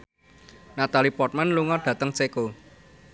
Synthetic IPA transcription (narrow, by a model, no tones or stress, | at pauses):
nat̪alipɔrt̪̚manluŋɔɖ̥ä̤t̪əŋt͡ʃeko